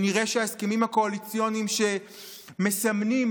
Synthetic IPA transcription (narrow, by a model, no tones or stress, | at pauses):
niʁeʃeaeskemimhako̞alit͡sijonimʃe̞ | mesamnim